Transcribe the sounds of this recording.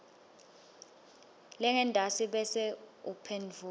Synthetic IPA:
lɛŋɛndʱasiɓɛsɛupʰend͡vʱu

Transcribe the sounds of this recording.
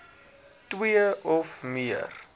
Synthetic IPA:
twiəɔfmiə̰r

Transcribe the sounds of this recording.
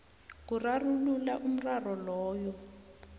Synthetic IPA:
k̬urarululaʔum̩rarɔlɔːjɔ

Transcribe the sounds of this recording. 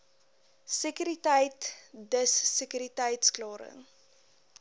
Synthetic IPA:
sekyɾitɛjtdəsːekyɾitəjtsklɑːɾə̰ŋ

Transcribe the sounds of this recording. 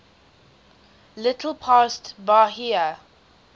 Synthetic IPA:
lɪtʰəl̩ˠpʰaːstbahiə

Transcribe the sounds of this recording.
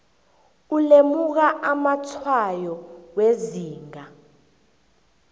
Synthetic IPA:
ulemuk̬aʔamatʰwajɔweziːŋa

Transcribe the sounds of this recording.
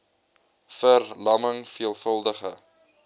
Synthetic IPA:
fərlɐməŋfiəlˠfəlˠdəχə̰

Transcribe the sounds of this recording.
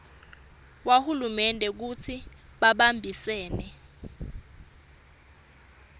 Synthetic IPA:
wahulumɛndʱɛk̬ut͡sʰiɓaɓambʱisɛːnɛ

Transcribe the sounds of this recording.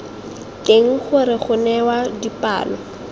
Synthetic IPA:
keŋ̩χʊɾɪχʊnɛwadipʼa̰ːlɔ

